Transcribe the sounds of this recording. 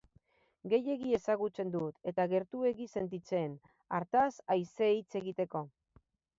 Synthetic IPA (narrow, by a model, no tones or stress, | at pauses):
ɡe̞je̞ɣie̞saɣut͡se̞nd̪ut̪e̞t̪aɣe̞ɾt̪ue̞ɣise̞nt̪it͡se̞ːn | aɾt̪asajsejt͡se̞ɣit̪e̞ko̞